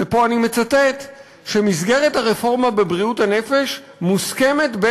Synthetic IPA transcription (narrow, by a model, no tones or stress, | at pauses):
epo̞anime̞t͡sate̞t | ʃemizɡe̞ʁethaʁefo̞ʁmabe̞bʁiuthane̞fe̞ʃ | muske̞me̞tbe